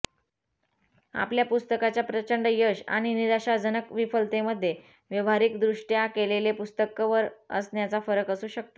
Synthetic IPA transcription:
a̰pljapust̪əkat͡ɕjapɾət͡ɕəɳɖjəɕa̰ɽ̃iniɾaɕad͡zənəkʋifəlt̪eməd̪ʱːje | ʋjəʋaɾikd̪ɾuʂʈjakelelepust̪əkʋəɾə̰snjat͡safəɾəkəsuːɕək̚t̪o

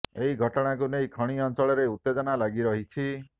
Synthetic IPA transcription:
eɦiɡʱɔʈɔɽ̃ak̬unejkʰɔɽ̃iɔnt͡ʃɔɭɔɾeut̪ːed͡ʒɔnalaɡiɾɔɦit͡ʃʰi

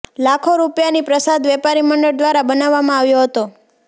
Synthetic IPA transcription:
lakʰoɾupjanipɾəsad̪ʋɛpaɾiməɳɖəɽd̪ʋaɾabənaʋːamãaʋjoɦət̪o

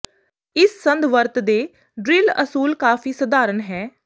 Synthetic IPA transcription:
ɪsːənd̪ʋəɾt̪d̪eː | ɖɾɪlə̰suːlkaːfiːsəd̪aːɾənɦɛː

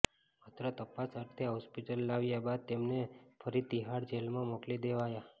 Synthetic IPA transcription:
mət̪ʰɾət̪əpasəɾt̪ʰeɦɔspiʈəlːaʋjabad̪̚t̪emnefʰəɾit̪iɦaɽd͡ʒelmãmoklid̪eʋaja

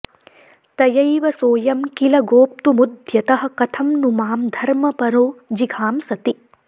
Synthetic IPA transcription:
t̪ɐjɐjʋɐsoːjɐmkilɐɡoːp̚t̪umud̪ʱjɐt̪ɐɦɐ̆kɐt̪ʰɐmnumaːmd̪ʱɐɾmɐpɐɾoːd͡ʒiɡʰʱaːmsɐt̪i

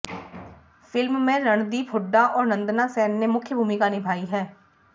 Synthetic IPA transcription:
fʰɪlmːẽːɾəɳd̪iːpʰʊɖaːʔɔːɾnə̃nd̪naːsɛːnːeːmʊkʰjəbʱuːmɪkaːnɪbʱaːiːɦɛː

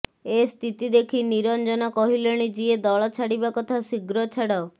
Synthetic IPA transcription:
est̪ʰit̪id̪ekʰiniɾɔnd͡ʒɔnɔkɔɦileɽ̃id͡ʒied̪ɔɭɔt͡ʃʰaɽibakɔt̪ʰasiɡɾɔt͡ʃʰaɽɔ

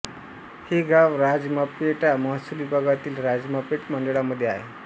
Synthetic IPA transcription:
hiɡaʋɾad͡zmapeʈaməɦsuliːbʱəɡat̪iːlɾad͡zmapeʈməɳɖəɭaməd̪ʱːjeaɦḛ

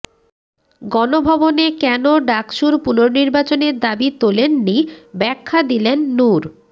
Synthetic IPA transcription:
ɡɔnobʱɔbonekɛnoɖakʃuɾpunoɾniɾbat͡ɕoneɾd̪abit̪olenːibɛkʰːad̪ilenːuɾ

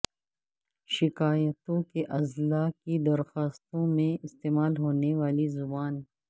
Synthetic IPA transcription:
ʃɪkaːjət̪õkeʔɐzlaːkid̪ɐɾxaːst̪õmẽɪst̪eːmaːlɦoːneʋaːlizʊbaːn

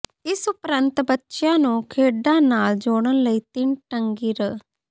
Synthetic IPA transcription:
ɪsʊpɾənt̪bətːʃjãːnũːkʰeːɖãːnaːld͡ʒoːɽ̃ənləiːt̪ɪnʈəŋɡiːɾəː

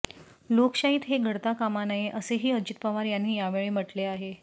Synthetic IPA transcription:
lokɕaɦiːt̪ɦeɡʱəɽt̪akamanajeʔəseɦiːəd͡ʑit̪paʋaɾjanːiːjaʋeɭem̤əʈleaɦe

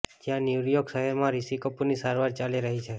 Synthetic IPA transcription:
d͡ʒjãnjuɾjoɡsəɦɛɾmãɾisikəpunisaɾʋaɾt͡ʃaliɾəɦit͡ʃʰe

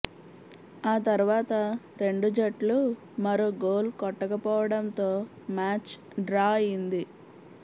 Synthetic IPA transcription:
aːt̪ɐɾuʋaːt̪ɐ | ɾe̞ɳɖud͡ʒɐʈlu | mɐɾuɡoːlkɔʈːɐkɐpɔːʋɐɽɐnt̪o̞ː | maːt͡ʃ | ɖɾaːjind̪i

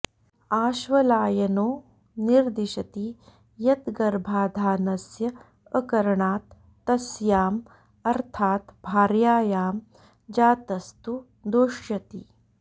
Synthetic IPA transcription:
aːʃʋɐlaːjɐnoː | niɾd̪iʃɐt̪i | jɐt̪ɡɐɾbʱaːd̪ʱaːnɐsjɐː | kɐɾɐɳaːt̪ː | ɐsjaːm | ɐɾt̪ʰaːt̪bʱaːɾjaːjaːm | d͡ʒaːt̪ɐst̪u | d̪oːʃjɐt̪ḭ

